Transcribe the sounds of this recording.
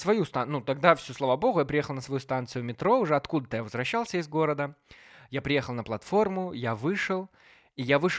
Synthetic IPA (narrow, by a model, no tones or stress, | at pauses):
svɐjust̪anut̪ɐɡ̚d̪afsʲuslˠɐvabo̞ɣʊjapɾʲɪjexəlˠnəsvɐjust̪ant̪sɨjʊmʲɪt̪ɾo̞ʊʐɛɐt̪kud̪ət̪əjavəzvɾɐɕːalˠsʲəɪzɡo̞ɾəd̪ə | japɾʲɪjexəlˠnəplˠɐt̪fo̞rmʊjavɨʂɨlˠ | ijavɨʂ